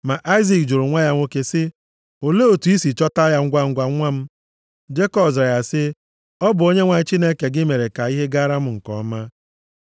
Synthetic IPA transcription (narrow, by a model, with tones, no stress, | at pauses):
ma˨ʔa˦ɪ˦zi˨kd͡ʒʊ˨ɾʊ˨ŋʷa˦ja˦ŋʷo˦ke˦sɪ˦ | o˨le˦o˨tu˨i˦si˨t͡ʃɔ˦ta˦ja˦ŋ̩˦ɡʷa˦ŋ̩˦ɡʷa˨˦ŋʷa˦m̩˦ | d͡ʒe˦kɔ˨bza˨ja˨sɪ˦ | ɔ˦bʊ˨o˦ɲe˦ŋʷa˨ɲ˦t͡ʃi˦ne˦ke˨ɡɪ˦me˨ɾe˨ka˨i˦ɦe˦ɡa˦ɾa˦m̩˦ŋ̩˨kɔ˨˦ma˦